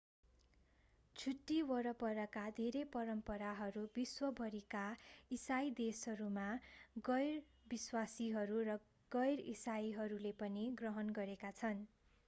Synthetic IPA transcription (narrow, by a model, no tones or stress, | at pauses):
t͡sʰuʈːiwʌɾʌpʌɾʌkad̪ʱeɾepʌɾʌmpʌɾaɦʌɾubiswʌbʱʌɾikaisajd̪eshʌɾumaɡʌjr | biswasiɦʌɾurʌ | ɡ̥ʌjrḭsajɦʌɾulepʌniɡrʌɦʌnɡʌɾekat͡sʰʌn